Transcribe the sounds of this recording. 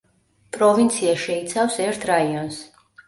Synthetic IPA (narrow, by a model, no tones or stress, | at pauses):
pʼɾɔvint̪sʰiaʃɛit̪sʰafsɛɾt̪ʰɾaiɔns